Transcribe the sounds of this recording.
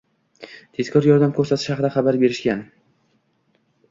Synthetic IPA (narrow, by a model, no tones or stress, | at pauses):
t̪ʰe̞z̥kʰɒɾjɒɾd̪amkʰɵɾsat̪ʰɪ̥ʃhɑqɨd̪aχɑbaɾbe̞ɾɪʃkʲan